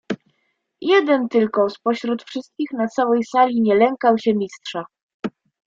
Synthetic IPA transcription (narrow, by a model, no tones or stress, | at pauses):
jɛd̪ɛnt̪ɘlkɔspɔɕɾut̪fʂɘst̪̚kʲixnat̪sawɛjsalʲiɲɛlɛŋkawɕɛmʲistʂa